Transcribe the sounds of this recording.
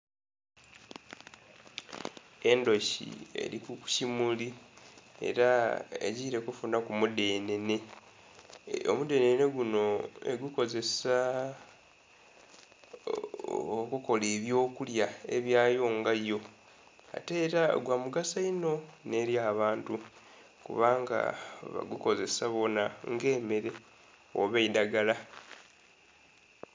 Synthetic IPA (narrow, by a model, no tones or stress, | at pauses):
e̞ndo̞çḭḛɾikuku̥cimuli | e̞̰ɾaḛɟiːɾe̞kufunakumude̞ːne̞ne̞ | o̰mude̞ːnene̞ɡuno̞e̞̰ɡuko̞ze̞sa | okuko̞le̞ːβjo̞ːkuljae̞̰βjaːjo̞ŋɡajo̞ | a̰te̞ːɾaɡwamuɡasaino̞ne̞ːɾjaːβaːntu | kṵβaːŋɡa̰βa̰ɡuko̞ze̞saβo̞naŋɡe̞ːme̞ɾe̞ | o̰βeidaɡala